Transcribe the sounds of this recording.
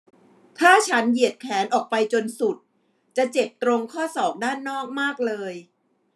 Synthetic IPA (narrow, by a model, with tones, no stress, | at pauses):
t̪ʰaː˥˩t͡ɕʰa˦˥nji˨˩ət̪̚kʰɛː˩˦nʔɔː˨˩k̚pa˧jt͡ɕo˧nsu˨˩t̪̚ | t͡ɕa˨˩t͡ɕe˨˩p̚t̪ɾo˧ŋkʰɔː˥˩sɔː˨˩k̚daː˥˩nːɔː˥˩k̚maː˥˩k̚lɤː˧j